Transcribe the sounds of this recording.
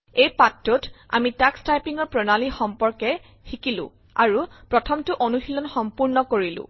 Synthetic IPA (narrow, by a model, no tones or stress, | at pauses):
ejpatːʊta̰mitakstajpiŋɔɹpɹɔnalixɔmpɔɹkɛ | xikilʊ̰̃ | aɹupɹɔtʰɔmtʊʔonuxilɔnxɔmpuɹnɔkoɹilʊ̰̃